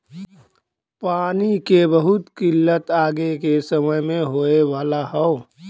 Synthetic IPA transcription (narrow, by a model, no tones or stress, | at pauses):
paːnikebəɦʊt̪kɪlːət̪aːɡekesəməjmẽɦoːewaːlaɦɛo